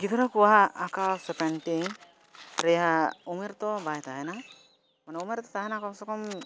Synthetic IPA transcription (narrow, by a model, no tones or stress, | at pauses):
ɡit̪ɔɾakuwaɦːkasɛpɛɳʈiŋ | ɾɛjaumeɾt̪ɔbajt̪aɦɛna | manaumeɾt̪ɔt̪aɦɛnakɔmsɔkɔm